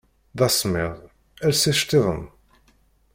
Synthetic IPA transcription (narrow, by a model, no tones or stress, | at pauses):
ðɑsmɪ̰ʁˤ | ælsæʃt̪iðˤəm